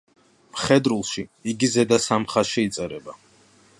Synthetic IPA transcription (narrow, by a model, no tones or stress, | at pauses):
mχɛd̪ɾulˠʃiiɡizɛd̪asamχaʃiit̪sʼɛɾɛba